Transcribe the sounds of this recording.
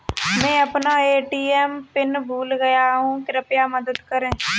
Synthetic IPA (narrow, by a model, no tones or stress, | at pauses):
mɛ̃ːɐpnaeːʈiːɛmpɪnbʱuːlɡɐjaɦũkɪɾəpjamɐd̪əd̪kɐɾẽː